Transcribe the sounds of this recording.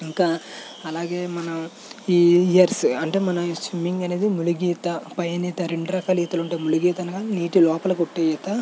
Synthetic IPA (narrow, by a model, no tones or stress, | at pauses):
iŋkaː | ɐlaːɡeːmɐnɐm | iːijɐɾsɐɳʈeːmɐnɐsʋimːiŋɡɐne̞ːd̪imuluɡiːt̪ɐpɐjɐniːt̪ɐɾeɳɖɾɐkɐːliːt̪ɐluɳʈeːmuluɡiːt̪ɐnɐɡaːniːʈilɔːpɐlɐkoʈːeːjɐt̪ɐ